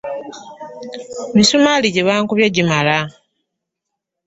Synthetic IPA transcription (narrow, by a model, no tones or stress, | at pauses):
misumaliɟeβaːŋkuβjeɟimala